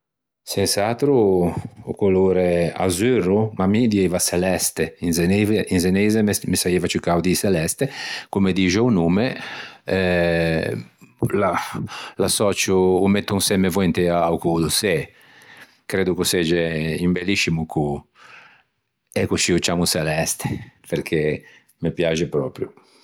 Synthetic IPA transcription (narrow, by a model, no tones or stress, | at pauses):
sɛnsat̪ɾuṵkuluːɾea̰zyrumamid̪iɛvasɛlɛst̪einzeneinzenezemesaeːvat͡ʃukawd̪isɛlɛst̪ekumed̪iʒounumeɛ | lalasɔt͡ʃuːmet̪ːunsɛmːevɔɛnt̪eaukud̪usɛ | kɾeːd̪ukusɛd͡ʒeimbelːiʃimukʰu | ɛkut͡ʃiut͡ʃaːmusɛlɛst̪e̥peɾkʰe | mepjaːd͡ʒepɾɔːpɾju